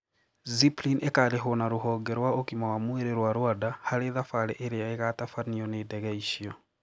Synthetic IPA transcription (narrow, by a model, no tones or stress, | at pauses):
ziplinekaɾeɦonaɾoɦɔːɡɛɾwaokimawamweɾeɾwaɾwadahaɾeðafaɾeʔeɾeaeɣatafaniɔneːdɛɣɛiʃiɔ